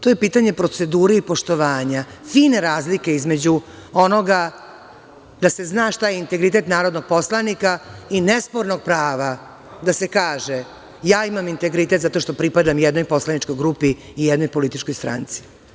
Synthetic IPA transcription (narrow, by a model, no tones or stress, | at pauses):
t̪o̞jepiːt̪aɲe̞pɾo̞t̪se̞d̪uːɾeipo̞ʂt̪oʋaːɲafiːne̞ɾaːzlike̞izme̞d͡ʑu | o̞no̞ɡa | d̪ase̞znaʃt̪ajeint̪eɡɾit̪e̞t̪naːɾod̪no̞ɡ̥̚poslˠanikainɛspoɾno̞ɡ̚pɾaːʋa | d̪ase̞kaːʒe | jaːimamint̪e̞ɡɾit̪et̪zat̪o̞ʃt̪o̞pɾipad̪amjɛd̪no̞jpo̞slˠanit͡ʃko̞jɡɾupiː | jɛd̪no̞jpo̞lit̪it͡ʃkojst̪ɾa̰nt̪sije